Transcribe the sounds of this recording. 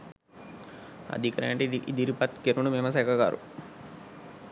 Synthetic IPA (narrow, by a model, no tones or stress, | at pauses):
ɐ̰d̪ʱikɐɾɐɐɳʈiʔid̪iɾipɐt̪keɾunumeːmɐs̬ɛːkɐɡa̰ːɾṵ